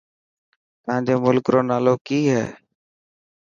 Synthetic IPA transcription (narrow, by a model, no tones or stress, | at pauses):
t̪əãːɲd͡ʒeːmʊlkɾoːnaːloːkiːɦɛ̰ː